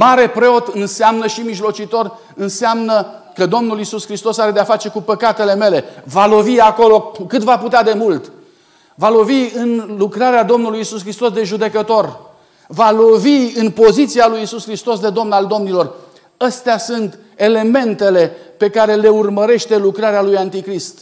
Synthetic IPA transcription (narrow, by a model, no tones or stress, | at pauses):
maɾe̞pɾe̞o̞t̪ɨnseamnəʃimiʒlo̞t͡ʃit̪o̞r | ɨnsamnə | kəd̪o̞mnulisuskɾist̪o̞saɾe̞d̪eafat͡ʃe̞kupəkat̪e̞le̞me̞le̞valo̞viako̞lo̞kɨt̪vaput̪ead̪e̞mult̪ | valo̞viɨnlukɾaɾead̪o̞mnulujisuskɾist̪o̞sd̪e̞ʒud̪e̞kət̪o̞r | valo̞viɨnpo̞zit̪sialujisuskɾist̪o̞sd̪e̞d̪o̞mnald̪o̞mnilor | əst̪easunt̪ | e̞le̞me̞nt̪e̞le̞pe̞kaɾe̞le̞urməɾe̞ʃt̪e̞lukɾaɾealujant̪ikɾist̪